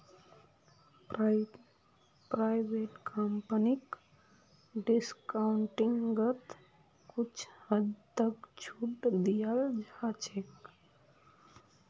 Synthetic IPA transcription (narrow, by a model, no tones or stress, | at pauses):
pɾaɪʋeːʈkʰəmpənik | ɖɪskaɳʈiŋɡɡət̪ | kut͡ʃʰəd͡ʒt̪əkt͡ʃʰuʈd̪ijald͡ʒʱat͡ʃʰek